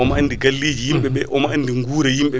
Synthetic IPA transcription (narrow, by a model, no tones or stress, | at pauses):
ɔmanːdiɡalːiːd͡ʒijimɓɛɓɛʔɔmaanːdiŋɡuːɾɛjimɓɛ